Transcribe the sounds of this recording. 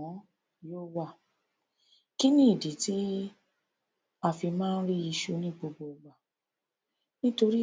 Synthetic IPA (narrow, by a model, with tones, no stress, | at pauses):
ɔ̃˨˦ | joː˦wa˦˨ | ki˦nĩ˦i˦˨di˨˦ti˦ | a˧˨fi˧mãː˦n̩˦ɾi˦i˧ʃu˦nĩ˦ɡ͡bo˧ɡ͡bo˧ɡ͡ba˨ | nĩ˦to˧ɾi˦